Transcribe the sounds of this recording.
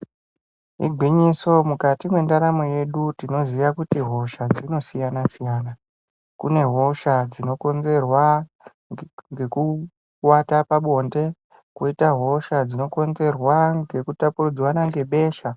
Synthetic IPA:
ɦḭɡʱwiɲiso̞mukatimwe̞ndaɾamoje̞ɗutino̞ziʋakutiɦo̞ʃad͡zino̞sijanasijaːna | kune̞ɦo̞ʃad͡zino̞ko̞nze̞rwa | ŋɡe̞ku | watapaɓo̞nde̞ | kuitaɦo̞ʃad͡zino̞ko̞nze̞rwaŋɡe̞kutapurud͡zwanaŋɡe̞ɓe̞ːʃa

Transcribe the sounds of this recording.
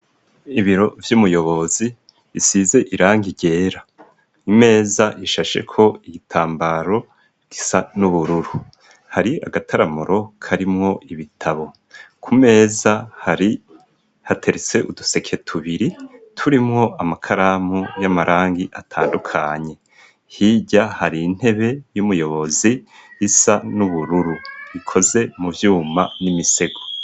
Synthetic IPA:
iβiɾo̞vjuːmujo̞βo̞zi | isize̞ʔiɾaːŋɡiɟe̞ːɾa | ime̞ːzaʔiʃaʃe̞̰kʰo̞iɡitʰaːmbaɾo̞ | ɡ̥isanuβuɾuɾu | haɾia̰ɡatʰaɾamuɾo̞kʰaɾimŋo̞ʔiβitʰaβo̞ | kʰume̞ːzahaɾi | hatʰe̞ɾet͡se̞ʔuduse̞kʰe̞tʰuβiɾitʰuɾimŋo̞ʔamakʰaɾamujamaɾʔaːŋɡiʔatʰa̰ːndukʰaɲe̞ | hiːɟahaɾiːn̥he̞βe̞jumujo̞βo̞ziːsanuβuɾuɾuβikʰo̞ze̞muvjuːmanimise̞ɡo

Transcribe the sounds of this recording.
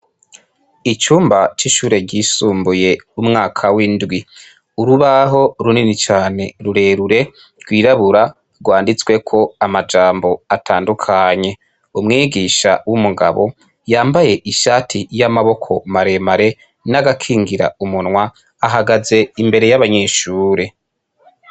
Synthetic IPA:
it͡ʃuːmbat͡ʃiʃuːɾe̞ɟiːsuːmbuje̞umŋaːkʰawindɡwi | uɾuβaɦo̞ɾuninit͡ʃaːne̞ɾuɾe̞ːɾuɾe̞ | ɡwiːɾaβuɾa | ɡwaːndit͡swe̞kʰo̞amad͡ʒaːmbo̞atʰaːndukʰaɲe̞ | umŋiːɡiʃa̰wumuɡa̰βo̞ | jaːmbaje̞ʔiʃaːtʰijamaβo̞kʰo̞maɾe̞maɾe̞ | naɡakʰiːŋɡiɾa̰umunŋwaː | ɦaɡaze̞imbe̞ɾe̞jaβaɲe̞ːʃuːɾe̞

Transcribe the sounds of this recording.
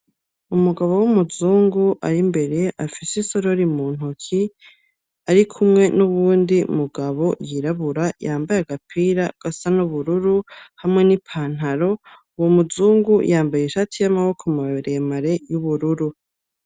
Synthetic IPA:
umuɡaβo̞wumuzuːŋɡuʔaɾimbe̞ɾe̞ʔafisisoɾoɾimuːn̥hukʰi | aɾikʰumŋe̞nuβuːndḭmuɡaβo̞jiɾaβuɾajaːmbajaɡapʰiɾaɡ̥asanuβuɾuɾuhamŋe̞nipʰaːn̥haɾo̞ | womuzuːŋɡujʔaːmbajeʃatijamaβo̞kʰomaβaβeɾejemaɾe̞juβuɾuɾu

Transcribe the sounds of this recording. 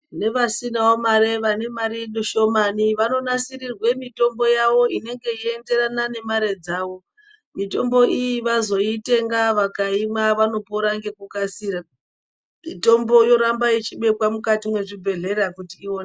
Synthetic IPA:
ne̞ʋasinaomare̞ʋane̞maɾiɗoʃo̞maniʋano̞nasirirwe̞mito̞mbo̞jaʋo̞ine̞ŋɡe̞ie̞nde̞ɾanane̞maɾe̞d͡zaːwo̞ | mito̞mbo̞ijiʋazo̞ite̞ŋɡaʋakaimaʋano̞poɾaŋɡe̞kukasiːɾa | mito̞mbo̞jo̞ɾambait͡ʃiɓe̞pwamukatimwe̞ʐibʱe̞ɮe̞ɾakutiːwon

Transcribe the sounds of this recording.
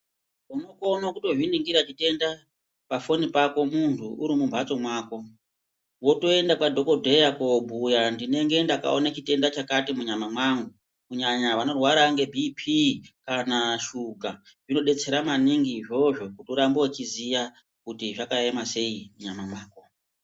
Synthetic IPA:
unokonakuto̞ʐiniŋɡiɾat͡ʃite̞nda | pafo̞nipako̞muntʰuʔuɾimumbʱat͡so̞mwaːko̞ | wo̞to̞e̞ndakadʱo̞ko̞dʱe̞jakobʱujandine̞ŋɡe̞ndaka̰o̰nat͡ʃite̞ndat͡ʃakatimuɲamamwaŋɡu | kuɲaɲaʋano̞rwaɾaŋɡe̞bʱipʰikanaʃuka | ʐino̞ɗe̞t͡se̞ɾamaniŋɡiːʐo̞ʐo̞kutuɾambowat͡ʃizija | kutiʐakaemase̞imuɲamamwaːko

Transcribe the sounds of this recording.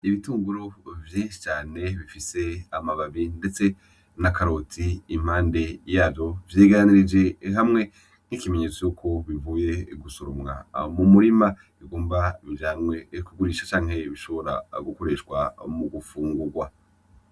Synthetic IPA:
iβituːŋɡuɾovjeːʃi̥t͡ʃaːne̞βifise̞amaβaβindet͡se̞ | nakaɾo̞tʰiim̥haːnde̞jaːvjo̞vjeːɡaɾaniɾid͡ʒe̞ɦamŋe̞ | n̥ikime̞ɲet͡sojuːkʰo̞βivuːje̞ɡusuɾumŋa̰mumuɾima | iɡoːmbaβjaːmŋe̞kuɡuɾiːʃat͡ʃaːŋhe̞βiʃo̞βo̞ɾa̰ɡuko̞ɾe̞ːʃkwamuɡufuːŋɡuɾɡwa

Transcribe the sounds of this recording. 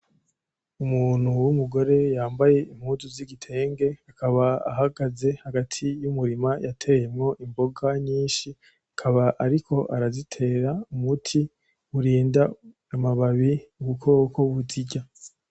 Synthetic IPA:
umuːn̥huwumuɡo̞ɾe̞jaːmbaje̞im̥huːzuziɡitʰe̞ːŋɡe̞akaβaa̰ɦaɡaze̞haɡatʰijumuɾimajatʰe̞ːje̞mŋo̞ʔimbo̞ɡaɲiːnʃi | akʰaβaʔaɾikʰo̞ʔaɾazitʰe̞ɾaumutʰi | uɾiːnda | amaβaβiuɡukʰokʰo̞wuziɟa

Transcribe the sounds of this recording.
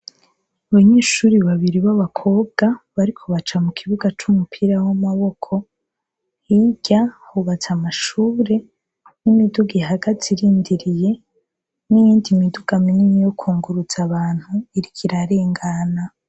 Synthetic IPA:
aβaɲeːʃuɾiβaβiɾiβaβakʰo̞ːb̚ɡaβaɾikʰo̞βat͡ʃamukʰiβuɡat͡ʃumupʰiɾawamaβo̞kʰo̞ | hiɟ̥ahuβat͡samaʃuːɾe̞ | nimiduɡiɦaɡatʰiɾiːndiɾije̞ | nijiːndimiduɡ̥aminiɲijokʰuːŋɡuɾuz̥aβaːn̥huiɾikʰiɾaɾe̞ːŋɡana

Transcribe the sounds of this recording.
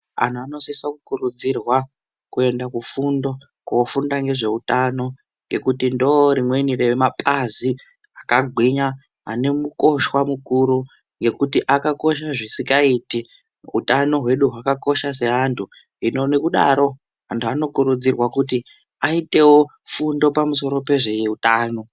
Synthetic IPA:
a̰n̤uano̞sisakukuɾud͡zirwa | kue̞ndakufundo̞ | kuofundaŋɡe̞ʐe̞utano̞ | ŋɡe̞kutindoɾimwe̞nirewemapʰʼazi | akaɡʱiɲa | ɦa̰ne̞muko̞ʃwamukuɾu | ŋɡe̞kutiʔakako̞ʃaʐisikaiːti | ṵtano̞ɦwe̞ɗuɦwakako̞ʃas̬e̞ɦantʰu | inonekuɗa̰ɾo̞ | ɦantʰuano̞kuɾud͡zirwakuti | aite̞wo̞ | fundo̞pamuso̞ɾo̞pe̞ʐe̞jeutaːno̞

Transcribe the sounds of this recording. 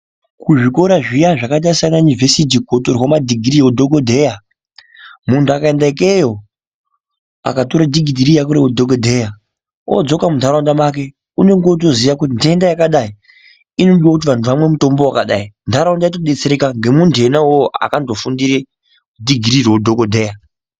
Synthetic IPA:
kuʐiko̞ɾaʐijaʐakaɗaisananivʱesit̬ikotorwomadʱiɡʱiɾiwodʱoɡodʱe̞ja | muntʰuakaendaikejo̞ | a̰katoɾadʱiɡʱidʱiɾijakuɾewodʱoɡodʱe̞ja | o̰d͡zo̞kamundʱaɾaundamak̬e̞ | une̞ŋɡot̬o̞ziʋakutindiendajakaɗai | ino̞ɗiwakut̬iʋantʰuʋamwe̞muto̞mbowakaɗa̰indʰaɾaundait̬oɗet͡seɾekaŋɡe̞mundʱe̞nawoa̰kandofundiɾe | dʱiɡʱiɾirwodʱokodʱe̞ːja

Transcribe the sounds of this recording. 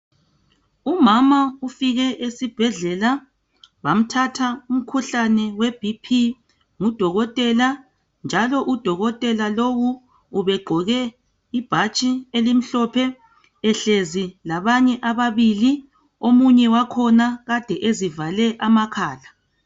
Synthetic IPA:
umamaufiɣɛʔesib̥ʱɛɮɛla | βam̩tʰatʰaum̩kʰuɬanɛweb̥ʱipʰi | ŋud̥ʱɔɣɔtʼɛla | nd͡ʒʱalɔʔud̥ʱɔɣɔtʼɛlalowuː | βɛɡ͡ǃʱɔɣɛ | ib̥ʱat͡ʃʼielim̩ɬɔpʰɛ | ɛɬezilaβaɲɛʔaβaβili | omuɲɛwakʰɔnaɣad̥ʱɛʔezivalɛʔamakʰaːla

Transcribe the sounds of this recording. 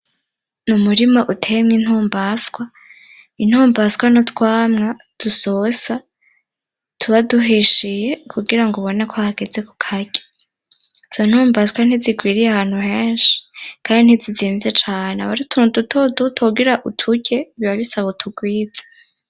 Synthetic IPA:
numuɾimaʔutʰe̞mɲin̥huːmbaskwa | in̥huːmbaskwanotkwaːmŋa | d̥usosa | tʰuβaduɦiʃije̞kʰuɡiɾaŋɡoβo̞nekʰohaɡe̞d͡ze̞ku̥kʰaɟe̥ | iz̥o̞n̥huːmbaskwan̥iziɡwiːɾijehaːn̥huheːnʃi̥kaːndin̥iziziːɱvizet͡ʃaːnea̰βaɾitʰundutʰodutʰoɡiɾaʔutʰuɟe̞βiβaβisaβotʰuɡwiːd͡zḁ

